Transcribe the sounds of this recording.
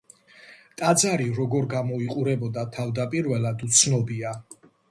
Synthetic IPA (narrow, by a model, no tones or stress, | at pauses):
t̪ʼad̪zaɾiɾɔɡɔɾɡamɔiqʼuɾɛbɔd̪at̪ʰavd̪apʼiɾvɛlad̪ut̪sʰnɔbia